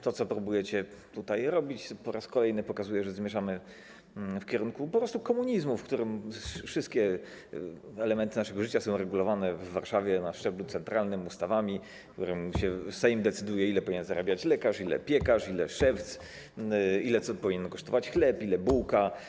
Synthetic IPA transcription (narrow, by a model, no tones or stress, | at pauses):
t̪ɔt̪sɔpɾubujɛt͡ɕɛt̪ut̪ajɾɔbʲit͡ɕpɔɾaskɔlɛjnɘpɔkazujɛʐɛzmʲjɛʐamɘ | fkʲɛɾuŋkupɔpɾɔst̪ukɔmuɲizmufkt̪uɾɘmfʂɘst̪̚kʲɛ | ɛlɛmɛnt̪ɘnaʂɛɡɔʐɘt͡ɕasɔ̃w̃ɾɛɡulɔvanɛvːaɾʂavʲjɛnaʂt͡ʂɛblut̪ɛnt̪ɾalnɘmust̪avamʲi | kt̪uɾɘmɕɛsaimd̪ɛt̪sɘd̪ujɛilɛpɔvʲiɲɛnzɾabʲjat͡ɕlɛkaʂilɛ̰pʲjɛkaʂilɛ̰ʂɛft̪s | ilɛt̪sɔpɔvʲiɲɛnkɔʂt̪ɔvat͡ɕxlɛpilɛbuwka